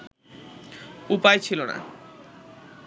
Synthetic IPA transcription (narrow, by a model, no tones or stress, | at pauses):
upajt͡ɕʰilona̰